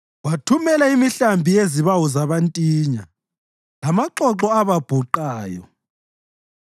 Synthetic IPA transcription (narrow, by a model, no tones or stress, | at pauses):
watʰumɛlaimiɬambʱijeziβawɔzaβantʼiːɲa | lamaǃɔǁɔaβab̥ʱuǃaːjɔ̰